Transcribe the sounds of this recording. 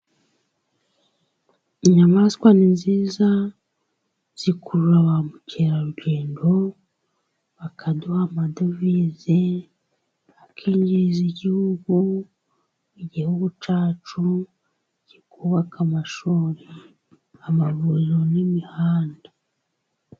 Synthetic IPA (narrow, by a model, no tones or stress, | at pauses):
iɲamaskwaninziːza | z̥ikuɾuɾaβamuceɾaɾuɟe̞ːndo̞ | βakʰaduhamadovize | βakʰieːɲɟiziɟihuɡu | iɟihuɡut͡ʃaːt͡ʃu | ɟ̥ikuːβakʰamaʃuːɾe | amaβuzonimihaːnda